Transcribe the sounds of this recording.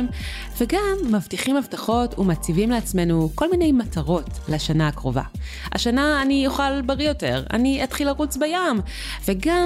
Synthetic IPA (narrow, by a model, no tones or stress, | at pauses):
m | veɡamːavtiχimavtaχo̞tumat͡sivimleat͡sme̞nuko̞lmine̞jmataʁo̞t | leaʃanaakʁo̞va̰ | a̰ʃanaːnijuχalbaʁijo̞te̞̰ʁa̰niatχilaʁut͡sbajam | ve̞ɡa